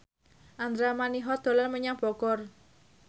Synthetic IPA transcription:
ʔand̪ɾamaniɦɔd̪̥o̤larməɲaŋb̥ɔɡ̥ɔr

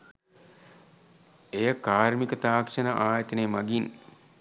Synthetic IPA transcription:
ejəkaːrmikət̪aːkʂɐnəʔaːjət̪ɐnemaɡin

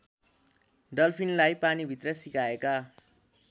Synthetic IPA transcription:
ɖʌlpʰinlajpanibʱit̪rʌsikaeka

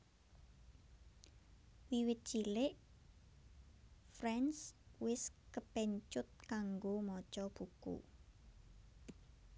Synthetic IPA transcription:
wiwɪt̪̚d̥ʒ̥ilɪʔ | frɛnswɪskəpeɲt͡ʃʊt̪̚kaŋɡomɔ̥t͡ʃɔb̥ukṵ

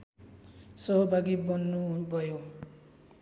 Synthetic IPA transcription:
sʌɦɔbʱaɡibɔnːubʌjo

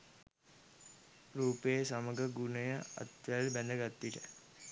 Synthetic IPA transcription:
ɾuːpejəsaməɡəɡunəjəa̰t̪ʋælbænd̪əɡat̪ːiʈə̰

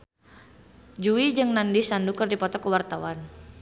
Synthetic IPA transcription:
d͡ʒuid͡ʒɨŋnandisandukərdipɔt̪ɔkəwart̪awan

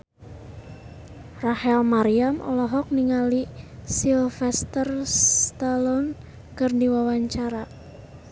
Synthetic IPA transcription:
rahɛlmaɾiamʔɔ̰lɔɦɔk̚niŋalisilfɛst̪ərst̪alɔn | kərdiwawaɲt͡ʃaɾa

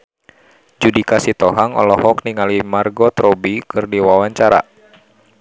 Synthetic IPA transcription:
d͡ʒudikasit̪ɔɦaŋɔ̰lɔhɔkniŋalimarɡɔt̪ɾɔbikɨrdiwawaɲt͡ʃaɾa̰

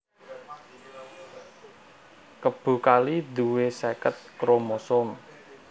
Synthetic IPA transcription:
kəb̥ṳkalid̪uwesekət̪̚kɾomosɔm

